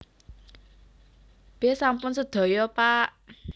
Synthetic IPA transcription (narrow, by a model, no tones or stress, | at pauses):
b̥esampʊnsəd̪̥ɔ̤jɔpaʔ